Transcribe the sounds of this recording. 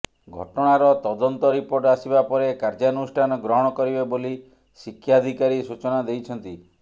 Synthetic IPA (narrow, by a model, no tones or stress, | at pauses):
ɡʱɔ̰ʈɔɽ̃aɾɔt̪ɔd̪ɔnt̪ɔɾipoɾɖasibapɔɾekaɾd͡ʒanusʈʰanɔɡɾɔɦɔɽ̃ɔkɔɾibeboli | sikʰːjad̪ʱikaɾisut͡ʃɔnad̪ejt͡ʃʰɔnt̪i